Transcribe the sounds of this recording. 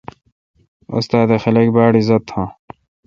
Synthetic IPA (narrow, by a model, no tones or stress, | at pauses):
ṵst̪aːd̪exɐlekbaːɽizɐt̪ʰãː